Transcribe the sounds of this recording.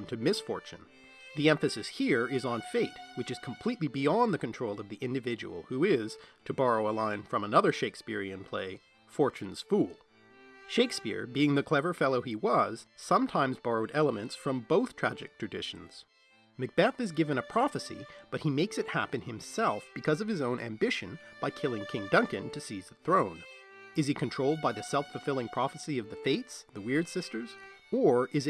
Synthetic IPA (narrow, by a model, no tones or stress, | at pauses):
ntʰɨmɪsfɔ̰ɹt͡ʃɨ̰̃n | ðiɛ̃ɱfɨsɨshiɹɪzn̩feɪt̚wɨt͡ʃɨz̥kʰm̩pʰl̥itˡlibiɑ̃nðɨkɨ̃ntʰɹ̥oʊlˠʌvðiʔɪ̃ndɨvɪd͡ʒɨ̰wl̩ˠhuɪz̥tʰɨbɑɹoʊəlãɪ̃nfɹʌ̃mənʌðə˞ʃeɪkspɪɹiɨ̃npʰl̥ḛɪ | fɔɹt͡ʃɨ̃n̩z̥fulˠ | ʃeɪkspɪ̰ɹbiɪ̃ŋðɨkʰl̥ɛvə˞fɛlˠoʊiwʌz̥sʌ̃mtʰãɪ̃mzbɑɹoʊɾɛlˠəmɨ̃ntsfɹʌ̃mboʊθtʰɹ̥æd͡ʒɨk̚tʰɹ̥ɨdɪ̰ʃn̩z̥ | mɨk̚b̥æθɨzɡɪvɨ̃ñɨpʰɹ̥ɑfɨsḭb̥ʌt̚himeɪksɨt̚hæpɨ̃nɨ̃msɛlˠfb̥ɨkʰʌzʌv̥ɨzõʊ̃nʔæ̰̃mbɪʃɨ̃nb̥aɪkʰɪlˠɪ̃ŋkʰɪ̃ŋdʌ̃ŋkɨ̰̃ntʰɨsizðɨθɹõʊ̃n | ɨz̥ikʰɨ̃n̩tʰɹ̥oʊlˠd̚baɪðɨsɛlˠfəfɪlˠɪ̃ŋpʰɹ̥ɑfɨsiʌvðɨfeɪtsðəwɪɹd̥sɪstə˞zə˞ɪz